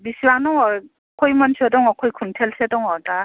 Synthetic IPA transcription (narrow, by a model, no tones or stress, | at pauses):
bisiwaŋnɔŋɔɹ | kʰɔjmɔnsʰiɔdɔŋɔkʰɔjkʰuntʰɛlsedɔŋɔda